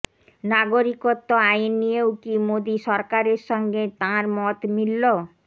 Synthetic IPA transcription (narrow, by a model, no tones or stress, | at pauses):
naɡoɾikot̪ːoajnːijewkimod̪iʃɔɾkaɾeɾʃɔŋɡet̪ãɾmɔt̪milːo